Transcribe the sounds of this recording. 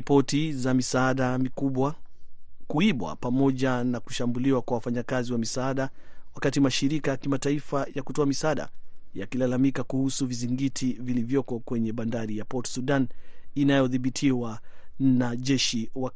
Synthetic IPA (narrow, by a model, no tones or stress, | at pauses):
pɔtizamisaaɗamikuɓwa | kuiɓwa̰pamɔʄanaku̥ʃambuliwakwawafaɲakaziwamisaaɗawakatimaʃiɾikajakimataifajakutɔamisaaːɗa̰ja̰kilalamikakuhusuviziŋɡitʰivilivjɔkɔkwɛɲɛɓandaɾijapɔtsuɗaninajɔðiɓitʰiwanaʄɛʃiwa